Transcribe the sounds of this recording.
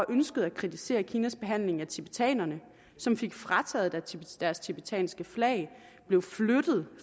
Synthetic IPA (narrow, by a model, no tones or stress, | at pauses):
ɒ̽ʔønsɡ̥əð̞̩ˠækʰʁit͡sʰise̝̰ːɐkʰiːnæsb̥e̝ɦæn̰le̝ŋæt͡sʰib̥et͡sʰɛ̰ːnɐnə | sɒ̽mfe̝ɡ̥fʁɑ̈t͡sʰɛ̰ːðˠd̥æ̥d̥æɐst͡sʰib̥et͡sʰɛ̰ːnsɡ̥əflɛ̰ɪ | b̥le̝ʊflød̥ð̞̩ˠ